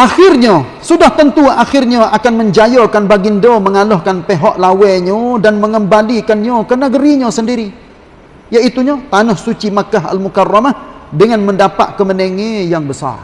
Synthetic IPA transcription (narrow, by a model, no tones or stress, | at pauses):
ʔaxɪrɲa | sudaht̪ənt̪uaxɪrɲaakanməɲd͡ʒajokanbaɡindoməŋalɔhkanpeɦɔʔlawɛɲadanməŋəmbalikanɲakənəɡəɾiɲasəndiɾi | jait̪uɲat̪anahsut͡ʃimakaɦa̰lmukarːamahdəŋanməndapa̰t̪̚kəmənəŋejaŋbəsa̰r